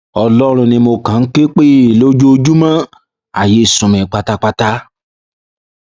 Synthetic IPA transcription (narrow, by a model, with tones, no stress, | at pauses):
ɔ˧lɔ˦ɾ̃ũ˧nĩ˧mo˧kã˨n̩˦k͡pe˦k͡pe˦i˨lo˦d͡ʒo˦o˧d͡ʒu˦mã˦ | a˨je˨˦i˦˨sũ˨mɛ̃˨k͡pa˧ta˧k͡pa˧ta˦